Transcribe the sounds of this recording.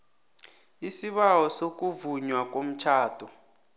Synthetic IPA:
isiɓawɔsok̬ʼuvuɲwak̬ʼom̩t͡ʃʰaːd̥ʰʱʼɔ

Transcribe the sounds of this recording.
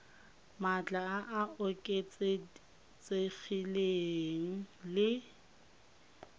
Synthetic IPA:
mat͡ɬʼaaʔaʊkʼet͡sʼe | t͡sʼek͡xileŋ̩lɪ

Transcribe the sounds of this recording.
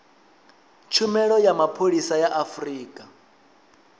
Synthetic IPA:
t͡ʃʰumɛɺɔjamapʰoɺisajaʔafriːkʼa

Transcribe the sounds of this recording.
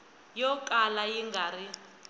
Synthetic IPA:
jɔkʼalajiŋɡʱari

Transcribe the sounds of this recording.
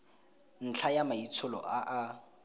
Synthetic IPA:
n̩t͡ɬʰajamait͡sʰʊlɔ̰ʔaʔa

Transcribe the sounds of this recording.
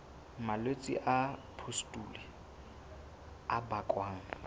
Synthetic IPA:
malwet͡sʼḭʔapʰustʼuli | abakʼwaːŋ̩

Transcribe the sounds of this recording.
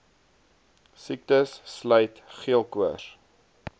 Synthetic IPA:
sik̚təsːlœjtχiəlˠkuəs

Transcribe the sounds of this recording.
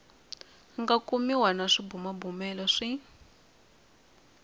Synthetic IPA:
ŋɡakumiwanaʂibumabumɛlɔʂi

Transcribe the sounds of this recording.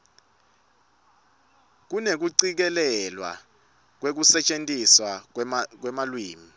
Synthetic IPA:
k̬unek̬uǀik̬ɛlɛlwa̰ | k̬wek̬usɛt͡ʃʼentʼiswak̬wɛmalwiːmi

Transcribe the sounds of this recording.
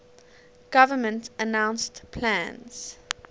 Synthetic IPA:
ɡ̥avəmə̃ntənãʊ̃nstpʰlæ̃nz̥

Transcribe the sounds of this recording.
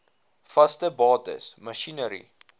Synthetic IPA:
fɐstəbɑːtə̰smɐʃinəɾḭ

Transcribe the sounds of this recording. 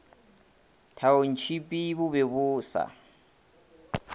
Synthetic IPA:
tʰaon̩t͡ʃʰipʼiβʊβeβʊːsa̰

